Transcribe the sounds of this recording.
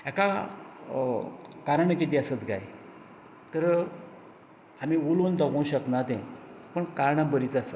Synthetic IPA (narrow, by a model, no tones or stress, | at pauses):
ɛka | kaɾaɳəkit̪̬iasət̪ɡa̰j | t̪əɾ | amiulond̪akũɕəknat̪ɛ̰̃pəɳkaɾɳãbəɾit͡sasə